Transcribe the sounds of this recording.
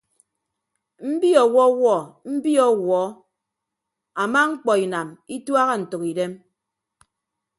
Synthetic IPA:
m̩˦bi˦ɔ˨wɔ˦wɔ˦˨m̩˦bi˦ɔ˦wɔː˨˦ | a˨ma˦ŋ͡m̩˦k͡pɔ˨i˨na˨mi˦twa˦ɣa˦n̩˨to˨ki˨de˦m

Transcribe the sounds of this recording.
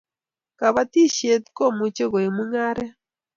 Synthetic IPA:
ka˨βa˦ti˦ʃje˨t̪i̥˦ko˦mu˨t͡ʃe˦ɣo˨i˨mu˦ŋa˦ɾe˦

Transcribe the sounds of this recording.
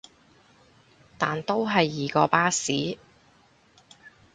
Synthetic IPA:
t̪aː˨nt̪o˥wɦɐ˨jːiː˨kɔː˧paː˥siː˨˥

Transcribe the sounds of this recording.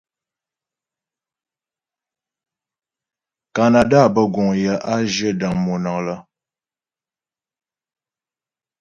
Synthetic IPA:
ka˨na˨da˦˨bə˦˨ɡɔ˨ŋjə˨˦ʔa˦d͡ʒə˦da˨ŋmo˨na˨ŋlə˦

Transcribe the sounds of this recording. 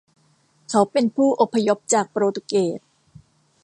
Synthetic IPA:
kʰa˦˥wpe˧npʰuː˥˩ʔo˨˩pʰːa˧jo˦˥p̚t͡ɕaː˨˩k̚pɾoː˧t̪u˧˩keː˨˩t̪̚

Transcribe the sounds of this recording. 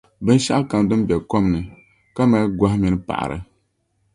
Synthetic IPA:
bɨ˦n˦ʃa˦ʔa˦ka˨m˨dɨ˦m˦bɛ˨ko˦mnɨ˨ | ka˦ma˨˦ɡʷa˦hmi˨nɨ˦pa̰˨ʔa̰˨ɾɨ̰˨

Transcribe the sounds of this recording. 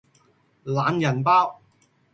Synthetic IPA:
laː˨˧njɐ˨˩npaː˥w

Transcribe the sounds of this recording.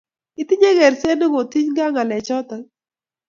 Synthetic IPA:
ɪ˦t̪ɪ˦ɲe˦ɣe˨ɾse˦no˦ŋo˨t̪i˦ɲɡa˦ŋa˨lɛ˨t͡ʃɔ˦t̪ɔ˦

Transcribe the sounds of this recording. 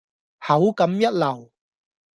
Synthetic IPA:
hɐ˨˥wkɐ˨˥mjɐ˥t̚lɐ˨˩w

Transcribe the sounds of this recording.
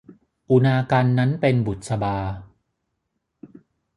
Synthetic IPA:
ʔu˧naː˧kaː˧nːa˦˥npe˧nbu˨˩t̪̚sa˧baː˧

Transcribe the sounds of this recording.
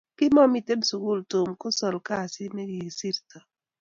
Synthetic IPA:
kɪ˦mɔ˦mi˨te˦nsu˨ɡu˦lto˨mkʊ˦sɔ˨lka˦˨sɪ˦me˦ɡi˨si˦ɾtɔ˨

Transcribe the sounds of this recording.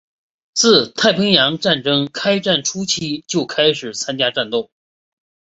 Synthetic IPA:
t͡sʰɹ̩˥˩t̪ʰa˥˩ɪpʰi˧˥ŋjɑ˧˥ŋʈ͡ʂa˥˩nʈ͡ʂɤ˥ŋkʰa˥ɪʈ͡ʂa˥˩nʈ͡ʂʰu˥t͡ɕʰii˥t͡ɕjo˥˩ʊkʰa˥ɪʂɻ̩˨˩t͡sʰa˥nt͡ɕja˥ʈ͡ʂa˥˧nt̪ʊ˥˩ʊ

